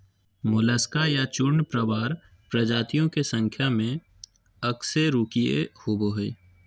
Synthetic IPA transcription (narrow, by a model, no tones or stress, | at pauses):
mʊləskajat͡ʃʊɾɳpɾəʋaːɾ | pɾəd͡ʒaːt̪ijõkesə̃ŋkʰjamẽ | əkseɾuːkiḛhʊboɦeː